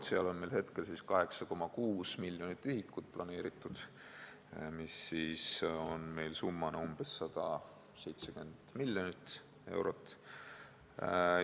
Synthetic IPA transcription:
t̪seɑlo̞nme̞jlhe̞t̪ke̞lsiskɑɦe̞ksɑko̞mɑkuːsmiljo̞nit̪ːihikːˑut̪̚plʔɑne̞ːɾit̪ˑːud̪̥ | misːiːso̞nme̞jlsumːɑnɑumb̥esːɑd̪̥ɑ | se̞jt̪seɡymend̪milʲːjonit̪ːˑ | e̞̰wɾo̞t̪ːˑ

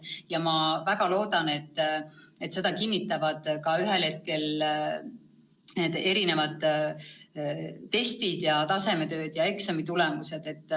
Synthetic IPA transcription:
jɑmɑvæɡ̥ɑlo̞ːd̪ɑne̞t̪ː | e̞t̪se̞d̪̥ɑkinːit̪ːˑɑvɑd̪̥kɑyɦe̞lhe̞t̪̚ke̞l | ne̞ːd̪̥e̞ɾine̞vɑd̪̥ | t̪e̞st̪id̪̥jɑt̪ɑse̞me̞t̪ø̞ːd̪̥jɑe̞ksɑmit̪ulemuse̞d̪̥e̞t̪ːˑ

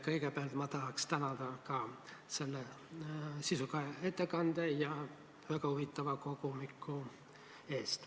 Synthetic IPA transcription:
kəikepælt̪mɑt̪ɑlɑkst̪ænɑlt̪ɑkɑːselːe | sisukɑet̪ːekɑnd̪̥ejɑ | ʋækɑhuʋit̪ːɑʋɑkokumikʰːu | eːst̪

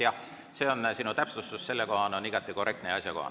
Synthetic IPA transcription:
jɑh | se̞ːo̞nsinut̪æpsust̪usse̞lːeko̞ɦɑno̞niɡ̥ɑt̪ːˑiko̞re̞k̚t̪neɑsʲjɑko̞̰hɑ̰

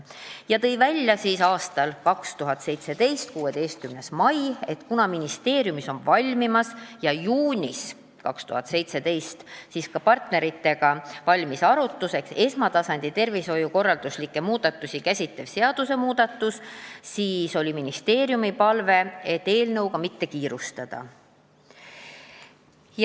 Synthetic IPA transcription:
jɑt̪ɤ̞jvælʲjɑsiːsɑːst̪ɑlkɑkst̪uɦɑt̪ˑse̞jt̪se̞d̪e̞jst̪̚kuːe̞d̪e̞jst̪̚kymne̞smɑje̞t̪kunɑminist̪e̞ːɾjumiso̞nvɑlʲmimɑsjɑjuːnʲis | kɑ̰kst̪ṵhɑt̪se̞jt̪se̞d̪e̞jst̪siːskɑpɑrt̪ne̞ɾit̪ˑːe̞ɡ̥ɑvɑlʲmisɑɾut̪ːˑuse̞kse̞smɑt̪ɑsɑnʲd̪̥it̪e̞rviso̞juko̞rːɑld̪̥uslikːˑe̞muːd̪̥ɑt̪ːˑusʲikæsʲit̪ːevse̞ɑd̪̥use̞muːd̪̥ɑt̪ːˑussiːso̞lʲiminist̪e̞ːɾjumipɑlve̞et̪ːe̞ːlnɤ̞wkɑmit̪ːe̞kiːɾust̪ɑd̪̥ɑ̰

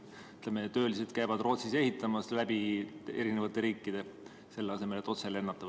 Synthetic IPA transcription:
yt̪lemet̪øːlis̬et̪kæjvɑd̪ro̞ːt̪sise̞hit̪ːˑɑmɑslæb̥ie̞ɾinevɑt̪ːˑe̞ɾiːkːid̪̥e̞ | se̞lːeɑse̞me̞le̞t̪ːˑo̞t̪se̞le̞nːɑt̪ːˑɑv

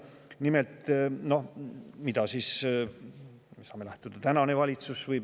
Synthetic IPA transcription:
nimelt̪no̞hmid̪̥ɑsiːs | sɑːme̞læht̪ud̪̥ɑt̪ænɑne̞vɑlʲit̪susvɤj

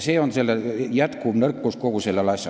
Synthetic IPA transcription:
seːonsielːæjæt̪kuʋnerkːuskokuselːælɑˑisːɑ

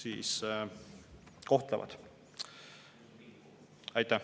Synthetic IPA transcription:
sḭːs | ko̞ht̪lɑ̰vɑ̰d̪̥ | ɑjt̪ːæ

